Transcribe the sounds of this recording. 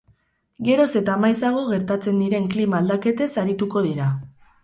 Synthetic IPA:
ɡe̞ɾo̞se̞t̪aːmajsaɣ̞o̞ɣe̞ɾt̪at͡se̞nd̪iɾe̞ŋklimaːld̪ake̞t̪e̞saɾit̪uko̞ð̞iɾa

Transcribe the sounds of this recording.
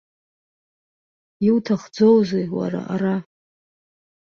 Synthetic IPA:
iwtʰaχd͡zowzejwa̰ɾa̰ʔaɾa

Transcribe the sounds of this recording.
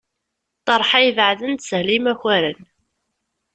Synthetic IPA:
t̪ˤɑɾˤħajvʕðənt̪səhlimæçæɾən

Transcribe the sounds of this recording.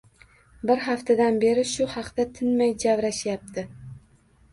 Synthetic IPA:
bɪɾɦaft̪ʰad̪anbe̞ɾɪʃʊhɑqd̪at̪ʰɪnmajd͡ʒavɾaʃjap̚t̪ʰɪ

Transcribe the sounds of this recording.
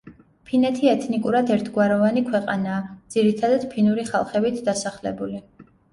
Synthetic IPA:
pʰinɛt̪ʰiɛt̪ʰnikʼuɾad̪ɛɾt̪ʰɡwaɾɔvanikʰwɛqʼa̰naːd̪z̥iɾit̪ʰad̪ad̪̥pʰinuɾiχa̰lˠχɛbit̪ʰd̪asaχlɛ̰buli

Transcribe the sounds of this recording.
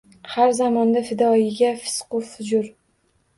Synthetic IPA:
haɾzamɒnd̪afɪd̪ɒɪɡʲafɪ̥sqʊfʊd͡ʒʊɾ

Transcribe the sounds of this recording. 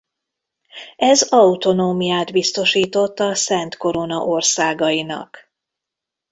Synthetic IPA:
ɛzɒut̪o̞noːmijaːd̪bist̪o̞ʃiːt̪o̞t̪ːɒsɛnt̪ko̞ɾo̞nɒʔo̞rsaːɡɒjinɒ̰k

